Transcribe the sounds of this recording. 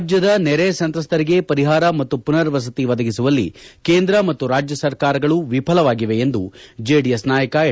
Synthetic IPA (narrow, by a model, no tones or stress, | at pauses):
d͡ʒjɐd̪ɐnɛɾesɐnt̪ɾɐst̪ʰɐɾiɡe̞pɐɾiɦaːɾɐmɐt̪ːupunɐɾʋɐs̬ɐt̪iʋɐd̪ɐɡisuʋɐlːḭkeːnd̪ɾɐmɐt̪ːuɾaːd͡ʒjɐsɐɾkaːɾɐɡɐɭuʋipʰɐlɐʋaːɡiʋe̞ːnd̪ud͡ʒeɖijesnaːjɐkɐ